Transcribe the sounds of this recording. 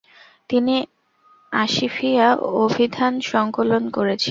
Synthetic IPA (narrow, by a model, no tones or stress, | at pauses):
t̪ini | aʃifiaobʱid̪ʱanʃɔŋkolonkoɾet͡ɕʰi